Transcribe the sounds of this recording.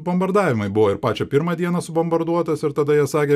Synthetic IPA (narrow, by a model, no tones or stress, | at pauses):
bɐmbɐɾd̪ɑːʋʲɪmɐɪbʊʋoːɪɾpɑːt͡ʃʲɛpʲɪɾmɐd̪ʲiɛnɐsʊbɐmbɐɾd̪uɔt̪ɐsɪɾt̪ɐd̪ɐjiɛsɑːkʲeː